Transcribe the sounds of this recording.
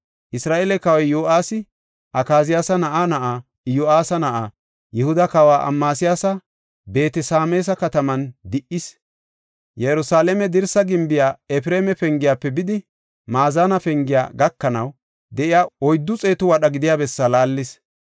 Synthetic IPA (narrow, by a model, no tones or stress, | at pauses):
ʔɪsɾaːʔɛlɛkɐwjjoːʔaːsɪ | ʔɐkaːzɪjaːsɐnɐʔanɐʔaː | joːʔaːsɐnɐʔa | jɪhʊd̪ɐkɐwaːʔɐ̰mːaːsɪjaːsɐ | be̞ːt̪ɛsaːmeːs̬ɐkɐt̪ɐmɐnd̪ɪʔɪs | jɛjɾʊsaːlɛmɛd̪ɪɾsɐɡɪmbɪjaːɛfɪɾeːmɛfɛŋɡɪjaːpːɛbɪd̪ɪ | maːzaːnɐfɛŋɡɪja̰ːɡɐkːɐnɐw | d̪ɛʔɪjaːɔjd̪ːʊt͡sʼe̞ːt̪ʊwɐɗɐɡɪd̪ɪjaːbɛsːɐlaːlːɪs